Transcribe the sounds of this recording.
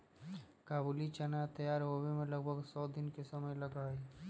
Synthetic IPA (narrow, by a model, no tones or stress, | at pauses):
kaːbuːlit͡ʃɐnat̪ɐjaːɾoːbemẽlɐɡ̚bʱəɡsɔːd̪ɪnkesɐməjlɐɡaːe